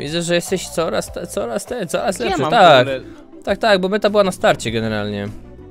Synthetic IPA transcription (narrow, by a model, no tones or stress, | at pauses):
vʲḭd̪zɛʐɛjɛst̪ɛɕt̪sɔɾast̪ɛt̪sɔɾast̪ɛt̪sɔɾaslɛpʂt̪ak | t̪ak̚t̪aɡ̚bɔmɘt̪abɘwanast̪aɾt͡ɕɛɡɛnɛɾa̰lɲɛ̰